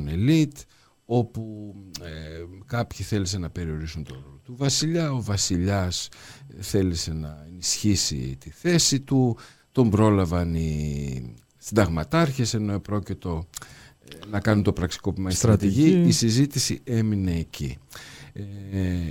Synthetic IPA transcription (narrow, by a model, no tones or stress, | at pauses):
nelit̪ | o̞pu | kɐpçiθe̞lis̬e̞nɐpe̞ɾio̞ɾisunt̪o̞ɾo̞lo̞t̪uvɐsiʎɐo̞vɐsiʎɐsθe̞lise̞nɐenisçisḭt̪iθe̞sit̪u | t̪o̞mbɾo̞lɐvɐni | sind̪ɐɣmɐt̪ɐɾçe̞se̞no̞epɾo̞cit̪o̞ | nɐkɐnunt̪o̞pɾɐksi̥ko̞pimɐist̪ɾɐt̪iʝiisizit̪isie̞mine̞ːcḭ